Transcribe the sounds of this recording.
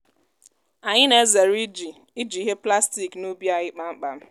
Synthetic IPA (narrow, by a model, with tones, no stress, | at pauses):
a˨ɲɪ˦ne˨e˦ze˨ɾi˦d͡ʒi˨ | i˦d͡ʒi˨˦ɦe˦pla˦sti˨knu˦bi˦a˦ɣɪ˦k͡pa˨ŋ͡m̩˦k͡pa˨m̩˦